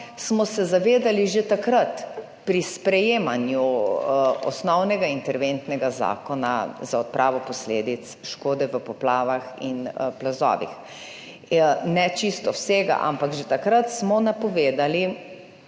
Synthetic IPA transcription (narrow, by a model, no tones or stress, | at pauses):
smɔsɛzaʋeːd̪aliʒet̪akɾat̪ | pɾispɾɛjeːmanju | ɔ̰snɔwnɛɡaint̪ɛɾʋent̪nɛɡaza̰ːkɔna̰zaɔt̪̚pɾʔaːʋɔpɔsleːd̪it̪sʃkoːd̪ɛʋəpɔplaːʋaxḭnplazɔ̰ːʋḭx | nɛt͡ʃist̪ɔwseːɡa̰ʔa̰mpaɡʒet̪akɾat̪smɔnapɔʋeːd̪ali